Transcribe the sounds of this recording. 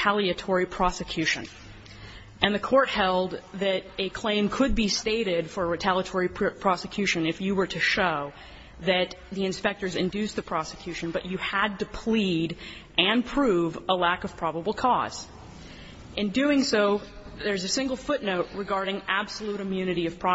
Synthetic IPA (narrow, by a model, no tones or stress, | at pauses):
ælˠiɨtʰɔɹipʰɹ̥ɑsɨkʰj̥ʉʃɨ̰̃n | ʔɨ̃nðɨkʰɔɹt̚hɛlˠd̪̚ðɨɾɨkʰl̥ẽɪ̃mkʰɨd̚bisteɪɾɪd̥fə˞ɹɨtʰælˠjɨtʰɔɹipʰɹ̥ɑsɨkʰj̥ʉʃɨ̃nɨfjɨwə˞ɾɨʃoʊ | ðɨt̪̚ðiɨ̃nspɛk̚tə˞zɨ̃ndʉsðɨpʰɹ̥ɑsɨ̥kʰj̥ʉʃɨ̃n̩bʌt͡ʃɨəd̚tɨpʰl̥iɾʔɨ̃npʰɹ̥uvəlækʌv̥pʰɹ̥ɑbəbl̩ˠkʰɔ̰z̥ | ʔɨ̃ndʉɪ̃ŋsoʊ | ðə˞zɨsɪ̃ŋɡl̩ˠfʊtⁿnoʊʔ̚ɹɨɡɑɹɾɪ̃ŋæb̥səluɾɨmjʉnɨɾiʌv̥pʰɹ̥ɑ